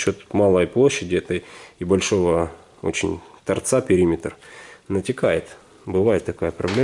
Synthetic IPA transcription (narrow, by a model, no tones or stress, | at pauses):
ɕo̞t̪malˠəjplˠoɕːɪdʲɪɛt̪əjbɐlʲʂo̞və | o̞̰t͡ɕɪ̰nʲt̪ɐ̰rt̪sapʲɪɾʲimʲɪt̪rnətʲɪkajɪt̪ | bɨvajɪt̪ːɐkajəpɾɐblʲe